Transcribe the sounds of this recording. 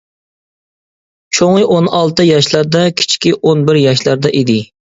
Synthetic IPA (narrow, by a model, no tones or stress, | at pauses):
t͡ʃʰoŋlɨʔonɑlˠt̪ɨjɑʃlˠæɾd̪ɛkʲʰi̥t͡ʃʰkʲiʔonbɪɾjɑʃlˠɑɾd̪ɛʔid̪ɪ